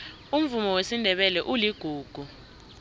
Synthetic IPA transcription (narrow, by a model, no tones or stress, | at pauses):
um̩vumɔwesindʱɛɓɛlɛʔuliɡ̥ʱuːɡ̥ʱu